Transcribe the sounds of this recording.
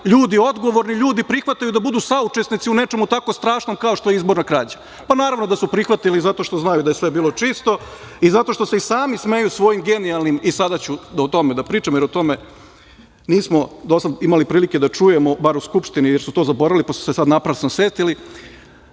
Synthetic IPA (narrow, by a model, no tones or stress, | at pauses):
ʎuːd̪io̞d̪ɡo̞ʋo̞ɾniʎuːd̪ipɾixʋat̪ajud̪abud̪uːsaut͡ʃe̞snit̪iune̞t͡ʃe̞mut̪ako̞st̪ɾaːʃno̞mkaoʃt̪ojeizbo̞ɾnakɾaːd͡ʑḁ | panaːɾaʋno̞d̪asupɾixʋat̪ilizat̪o̞ʃt̪o̞znajud̪ajesʋe̞biːlˠo̞t͡ʃiːst̪o̞ | izat̪o̞ʃt̪o̞se̞isaːmisme̞jusʋo̞jimɡe̞nialˠnimisad̪at͡ɕuot̪o̞med̪apɾiːt͡ʃamojeɾot̪o̞me̞ | niːsmo̞d̪o̞sad̪imalipɾiːlike̞d̪at͡ʂuje̞mobaɾuskupʂt̪inijeɾsut̪o̞ːzabo̞ɾalipasu̥sesad̪napɾasnoset̪ili